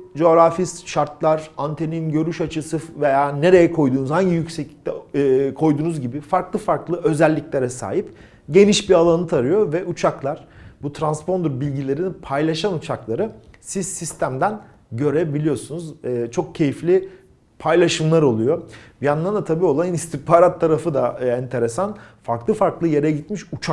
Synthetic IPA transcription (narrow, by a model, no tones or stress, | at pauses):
d͡ʒo̞ːɾafist̪ʃaɾt̪lˠaɾant̪ʰe̞niinɟø̞ɾyʃat͡ʃʰɯsɯve̞jaːne̞ɾe̞jɛkʰo̞jd̪uːnuzhaɲɟijycsɛclʲict̪ʰɛkʰo̞jd̪uːnuzɟibifaɾklˠɯfaɾklˠɯʔø̞zælʲːiclʲeɾɛsa̰ːɦip | ɟe̞niʃbialˠanɯt̪ʰaɾɯjo̞vɛʔut͡ʃʰaklˠaɾ̥but̪ʰɾanspo̞nd̪ɾbilʲɟilʲe̞ɾinnpʰajlʲˠaʃanut͡ʃʰaklˠaɾɯ | sizsist̪ʰæmd̪æn | ɟø̞ɾebilʲijo̞sunuzːt͡ʃʰo̞k̚cʰe̞jiflʲi | pʰajlʲˠaʃɯmlˠaɾo̞lˠujobjanand̪at̪ʰabiːo̞lˠannist̪ʰipʰaːɾat̪ʰːaɾafɯd̪aɛnt̪ʰe̞ɾesanfaɾklˠɯfaɾklˠɯje̞ɾɛɟit̪miʃut͡ʃʰa